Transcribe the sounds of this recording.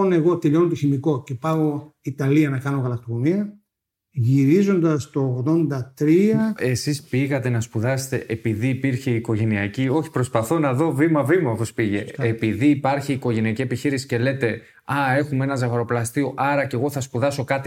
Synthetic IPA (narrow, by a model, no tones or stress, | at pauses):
ne̞ɣo̞t̪eʎo̞not̪oçimiko̞ce̞pɐɣo̞it̪ɐliɐnɐkɐno̞ɣɐlɐkt̪okomiɐ | ʝiɾizo̞nd̪ɐst̪o̞ːɣðo̞nd̪ɐt̪ɾiɐe̞sispiɣɐt̪e̞nɐspuðɐst̪e̞ʔepiðiːpiɾçeiko̞ʝe̞niɐcio̞çi̥pɾo̞spɐθo̞nɐðo̞vimɐvimɐopospiʝeːpiðiːpɐɾçiːko̞ʝe̞niɐcie̞piçiɾisi̥ce̞le̞t̪e̞ | ɐe̞xumee̞nɐzɐɣɐɾo̞plɐst̪ioʔɐɾɐce̞ɣo̞θɐspuðɐso̞kɐt̪i